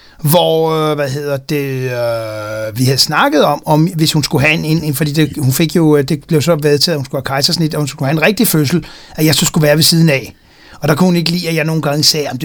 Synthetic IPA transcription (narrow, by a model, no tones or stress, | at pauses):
ʋɒʋæɦe̝ð̰ˠɐd̥e̝ | ʋihæð̩ˠsnɑ̈ɡ̥əð̞̩ˠɒ̽mɒ̽mʋe̝shunsɡ̥uɦæene̝nfɒ̽d̥ḭːd̥ehunfe̝ɡ̥jo̝d̥e̝b̥le̝ʊsɒ̽ʋeðˠt͡sʰɛðˠhunsɡ̥uhækʰɑ̈ɪsɐsɒne̝d̥ɒhunsu̥kʰuhæenʁɛɡ̥̚d̥iføs̬l̩ | æjɑ̈ɪsɒ̽sɡ̥uʋæːɐʋe̝siːð̞ˠn̩æ | ɒ̽d̥ɑ̈kʰuhune̝ɡ̥əlḭːæjɑ̈ɪno̝ːn̩ɡ̥ɑ̈ŋəsɛːɑm̥e